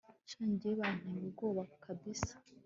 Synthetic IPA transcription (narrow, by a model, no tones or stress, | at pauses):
t͡ʃaːɲɟieβan̥umib̚ɡo̞ːβaku̥kʰabisḁ